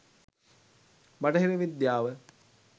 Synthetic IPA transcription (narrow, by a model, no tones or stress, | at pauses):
baʈɐɦiɾiʋid̪jaːʋə